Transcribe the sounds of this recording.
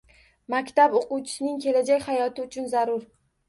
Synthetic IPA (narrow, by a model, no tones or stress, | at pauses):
makʲt̪aboquwt͡ʃʰɪ̥sɪnɪŋkʲʰe̞lad͡ʒakʲhajɒt̪ɪʊt͡ʃʰʊnzaɾʊɾ